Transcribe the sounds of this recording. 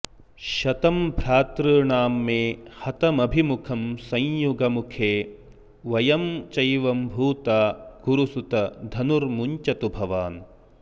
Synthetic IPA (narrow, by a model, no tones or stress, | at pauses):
ʃɐt̪ɐmbɾaːt̪ɾɯːɳaːmːeːhɐt̪ɐmɐbʱimukʰɐmsɐ̃j̃juɡɐmukʰeː | ʋɐjɐmt͡ʃɐjʋɐmbʱuːt̪aːɡ̥uɾusut̪ɐd̪ʱɐnuɾmuɲt͡ʃɐt̪ubʱɐʋaːn